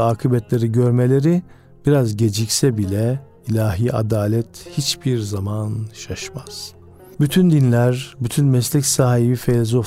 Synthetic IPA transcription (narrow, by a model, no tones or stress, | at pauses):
aːkʰɯbɛt̪lʲe̞ɾiɟøɾmelʲe̞ɾi | b̥iɾazɟe̞d͡ʒicsɛbilʲɛ | ilʲaːɦiːʔa̰d̪aːlʲɛt̪ʰhit͡ʃbiɾzamanʃaʃmaz̥ | byt̪ʰynd̪inlʲæɾbyt̪ʰynmɛslʲicsaːɦibifelʲzo